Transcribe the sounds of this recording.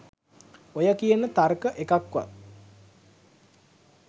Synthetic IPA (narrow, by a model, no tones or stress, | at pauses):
ojəkijənət̪arkəʔekakʋa̰